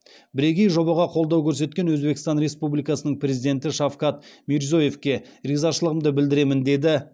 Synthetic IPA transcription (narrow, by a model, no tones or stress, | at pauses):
bɪɾe̞ɡʲe̞jʒo̞bɑʁɑqʰo̞lˠd̪ɑwkʲʰɵɾs̬e̞t̪kʲe̞nwɵzbe̞kʲɪst̪ɑnɾe̞spublijkɑsənəɴpʰɾʲe̞zid̪e̞nt̪ɪʃɑfqɑt̪miɾzo̞je̞fkʲe̞ɾizɑʃəlˠəʁəmd̪əbɪld̪ɪɾe̞mɪnd̪e̞d̪ɪ